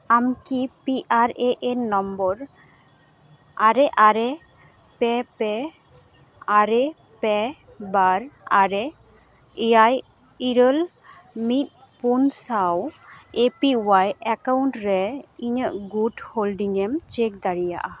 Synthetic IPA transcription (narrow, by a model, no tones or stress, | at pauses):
amkipiʔaɹeʔenɔmbɔɹ | aɹɛʔaɹɛ | pɛpɛ | aɹɛ | pɛ | baɹaɹɛ | aj | iɹəl | mit̪̚ | punsawepiwajɛkawntɹɛiɲəʔɡudholdiŋɛmt͡ʃek̚d̪aɹija̰ʔa